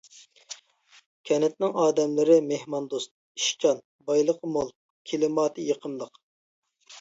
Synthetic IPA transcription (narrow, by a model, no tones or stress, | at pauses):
kʲʰɛnɛt̪nɪŋɑːd̪ɛmlɪɾɪmehmɑnd̪ost̪̚ | iʃt͡ʃɑn | bɑjlˠəqəmolˠ | kʲʰelɪmɑːt̪ʰɨjeqʰəmlˠəq